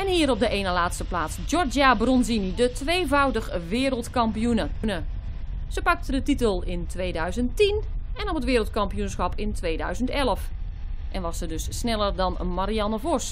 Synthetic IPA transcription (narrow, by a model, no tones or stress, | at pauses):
ɛnhiːɾɔb̚dəʔeːnəlaːtstəplaːt͡sd͡ʒɔrd͡ʒabrɔnzinidətʋeːvawdəxʋɪːɾəlˠtkɑmpijunənə | z̥əpɑk̚tədətitəlˠɪntʋeːdœɥzənttinɛnɔpətʋɪːɾəlˠtkɑmpijunsxɑpʰɪntʋeːdœ̰ɥzəntɛləf | ʔɛnʋɔsədøssnɛlˠərdɔnmaɾianəvɔs